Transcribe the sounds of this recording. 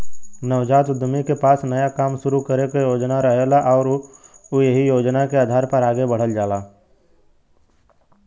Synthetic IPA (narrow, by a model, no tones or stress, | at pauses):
nəʋd͡ʒaːt̪ʊd̪ʱːəmikepaːsnəjakaːmʃʊɾukəɾekejoːd͡ʒnaɾəɦelaʔɔːɾʊjeɦijoːd͡ʒnakeaːd̪ʱaːɾpɐɾaːɡebɐɽ̤əld͡ʒaːlaː